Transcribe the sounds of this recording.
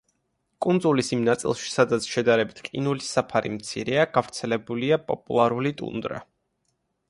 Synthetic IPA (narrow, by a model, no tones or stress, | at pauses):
kʼund̪zulisimnat̪sʼḭlˠʃi̥sad̪at̪sʰʃɛd̪aɾɛbit̪ʰqʼinulisapʰaɾḭmt̪sʰḭɾɛaɡ̥avɾt̪sʰɛlɛbuliapʼɔpʼṵlˠaɾulit̪ʼṵnd̪ɾa̰